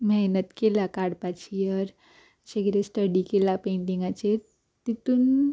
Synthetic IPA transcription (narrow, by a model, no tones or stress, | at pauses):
mɛnət̪kelakaɽpat͡ɕijəɾ | ɕeɡɾesʈəɽikelapeɳʈĩŋɡat͡ɕeɾ | t̪it̪uːn